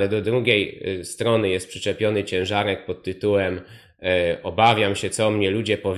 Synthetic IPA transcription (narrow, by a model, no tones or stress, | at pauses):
lɛd̪ɔd̪ɾuɡʲejst̪ɾɔnɘjɛst̪̚pʂɘt͡ʂɛpʲjɔnɘt͡ɕɛ̃w̃ʐaɾɛk̚pɔt̪ːɘt̪uwɛm | ɔbavʲjamɕɛt̪sɔmɲɛlud͡ʑɛpɔvʲ